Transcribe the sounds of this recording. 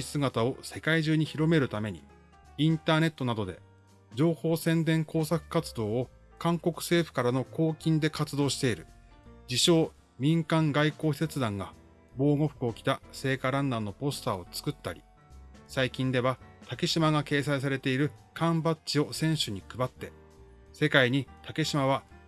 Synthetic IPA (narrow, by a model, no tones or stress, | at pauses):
isɨɡat̪ao̞se̞kaiʑɨːɲ̟içiɾo̞me̞ɾɯ̟t̪ame̞ɲ̟ḭ | ĩnt̪aːne̞t̪ːo̞nad̪o̞d̪e̞̰ | d͡ʑo̞ːho̞ːsẽ̞nd̪ẽ̞ŋko̞ːsakɯ̟̥kat͡sɨd̪o̞ːo | kãŋko̞kɯ̟̥se̞ːɸɯ̟̥kaɾano̞ko̞ːkʲĩnd̪e̞kat͡sɨd̪o̞ːɕi̥t̪e̞iɾɯ̟ | d͡ʑiɕo̞ː | mʲĩŋkãŋɡaiko̞ːçset͡sɨd̪ãŋɡa | bo̞ːɡo̞ɸɯ̟̥kɯ̟o̞kʲi̥t̪ase̞ːkaɾãnːano̞po̞sɨ̥t̪aːo̞t͡sɨ̥kɯ̟t̪ːaɾʲi̥̰ | saikʲĩnd̪e̞βat̪ake̞ɕimaɡake̞ːs̬ais̬aɾe̞t̪e̞iɾɯ̟kʰãmbat͡ɕio̞sẽ̞ɰ̃ɕɨɲ̟ikɯ̟bat̪ːe̞ | se̞kaiɲ̟it̪ʰake̞ɕimaβa